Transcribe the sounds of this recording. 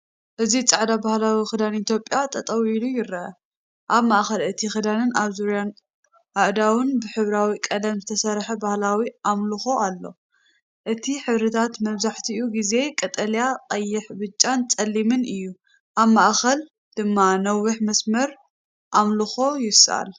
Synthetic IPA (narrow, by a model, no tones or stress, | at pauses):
ʔɨzit͡sʼaʕd̪abahlawixɨd̪anit̪ʰjo̞pʼːjat̪ʼʰɐt̪ʼɐwilujɪɾʔɐ̰ | ʔaβmaʔxɐlɨt̪ʰixɨd̪anɨnaβzuɾjan | ʔaʔd̪awɨnbɨħɨβɾawikʼɐlɐmzɨt̪ʰɐsɐɾħɐbahlawiʔamlɨxo̞ʔalːo̞̰ | ʔɨt̪ʰiħɨβɾɨt̪ʰat̪mɐβzaħt̪ʰiuɡize̞kʼɐt̪ʼɐljaqʼɐjːɪħbɨt͡ʃʼːant͡sʼɐlːimɨnɨjːu | ʔaβmaʔxɐl | d̪̥ɨmːanɐwːuħmɐsmɐɾ | ʔamlɨxo̞jɪsʔa̰l